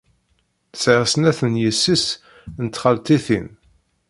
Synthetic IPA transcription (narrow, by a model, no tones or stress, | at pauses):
θsəʁsənæθənjəsːis | nət̪χəlt̪iθin